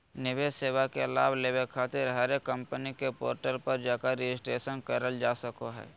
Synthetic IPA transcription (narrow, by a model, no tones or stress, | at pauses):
nɪʋeːseːʋakelaːbleːʋekʰaːt̪ɪɾɦɛːɾekə̃mpənikepo̰ːɾʈəlpəɾd͡ʒaːkaɾed͡ʒɪsʈɾeːʃənkɐɾəld͡ʒaːsəkoɦɛ̰ː